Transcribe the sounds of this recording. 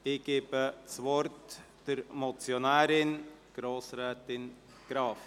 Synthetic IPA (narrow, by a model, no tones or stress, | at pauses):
dɪːɡ̥eːbəsvɔɾt | d̥əɾmɔt͡sjonæːɾɪnɡ̥ɾoːsɾɛːtɪn | ɡ̥ɾɑːf